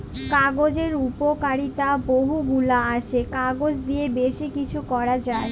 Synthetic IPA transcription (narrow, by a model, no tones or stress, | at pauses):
kaɡod͡ʑeɾupokaɾit̪aboɦuɡulaaʃekaɡod͡ʑd̪ijebeʃikit͡ɕʰukɔɾad͡ʑae